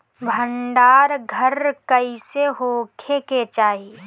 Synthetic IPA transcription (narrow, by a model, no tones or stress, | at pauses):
bʱəɳɖaːɾɡʱəɾkəiseɦoːkʰeket͡ʃaːɦi